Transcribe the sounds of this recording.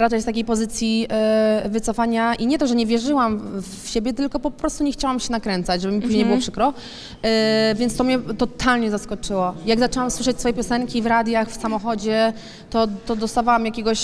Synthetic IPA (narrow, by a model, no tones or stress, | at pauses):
ɾat͡ʂɛjst̪akʲejpɔzɘt̪sʲji | vɘt̪sɔfaɲaʔiɲɛt̪ɔʐɛɲɛvʲjɛʐɘwamfɕebʲjɛt̪ɘlkɔpɔpɾɔst̪uɲɛxt͡ɕawamɕɛnakɾɛnt̪sat͡ɕʐɛbɘmʲipuʑɲejɲjbɨwɔpʂɘkɾɔ | vʲjɛnt̪t̪ɔmɲɛt̪ɔt̪ʰalɲɛzaskɔt͡ʂɘwɔjaɡzat͡ʂɛwamswɘʂ̬ɛt͡ɕsfɔjɛpʲjɔsɛŋkʲivɾad̪jaxfsamɔxɔd͡ʑɛ | t̪ɔt̪ɔd̪ɔst̪avawamjakʲeɡɔɕ